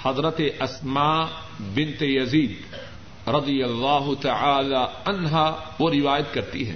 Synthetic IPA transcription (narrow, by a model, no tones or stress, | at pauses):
hɐzɾət̪eʔɐsmaː | bɪnt̪ejɐziːd̪ | ɾɐd̪ijɐlːaːɦʊt̪ɐʕaːlaɐnɦaːʋoɾɪʋaːjət̪̚kɐɾt̪iɦɛ̰̃ː